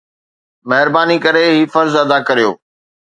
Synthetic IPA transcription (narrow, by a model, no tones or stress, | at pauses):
mɐɦɪɾbaːnikɐɾeɦiːfɐɾzɐd̪akɐɾijo̰ː